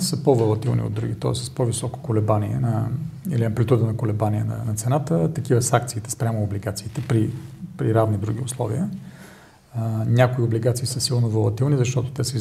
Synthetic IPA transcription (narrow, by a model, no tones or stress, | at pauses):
səpovəlˠɐt̪ilˠnḭo̰d̪ɾuɡʲit̪ɔ̰ɛsːəspovisɔko̥kolɛbaniɛnəiliɐmplɛt̪ud̪ənɐkʊlɛbaniɛ̰nɐ̰nɐt̪sɛnat̪ət̪ɐkivəsak̚t̪siːt̪ɛ̥spɾʲamoːbliɡat̪siːt̪ɛpɾipɾiɾavnid̪ɾuɡ̟iʊslˠɔ̰vḭə | nʲakoiobliɡat̪siːsəsilˠnovəlˠɐt̪ilˠnizɐʃt̪ɔt̪ʊ̥t̪ɛsəiz